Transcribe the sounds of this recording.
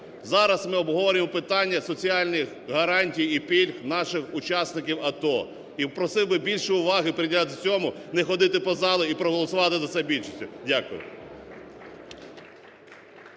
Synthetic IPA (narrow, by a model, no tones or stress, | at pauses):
zɑɾɐsmɪɔbɦɔʋɔɾʲɪmɔpɪt̪ɑnʲːɐsɔt͡sʲiɑlʲnɪx | ɦɐɾɑnʲtʲijipʲilʲxnɑʃɪxʊt͡ʃɑsnɪkʲiwɐt̪ɔ | ipɾɔsɪwbɪbʲilʲʃɛʊʋɑɦɪpɾɪdʲlʲat̪ɪt͡sʲɔmʊnɛxɔd̪ɪt̪ɪpɔzɑlˠʊipɾɔɦɔlˠɔsʊʋɑt̪ɪzɐt̪sɛbʲilʲʃisʲtʲʊdʲakʊjʊ̰